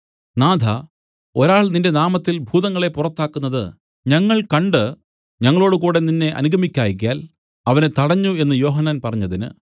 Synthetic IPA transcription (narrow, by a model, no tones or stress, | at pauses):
naːd̪ʱɐ | o̞ɾaːɭninde̞naːmɐt̪ːilbʱuːðɐŋːɐɭe̞purɐt̪ːaːkːunːɐðɨ | ɲɐŋːɐɭkɐɳɖɨ | ɲɐŋːɐɭo̞ːɽɨkuːɽe̞ninːe̞ʔɐ̰nuɡʱɐmikʲːaːjik̬ʲːjaːl | ɐʋɐne̞t̪ɐɽɐɲːue̞nːɨjo̞ːɦɐnːaːnpɐrɐɲːɐðinɨ̰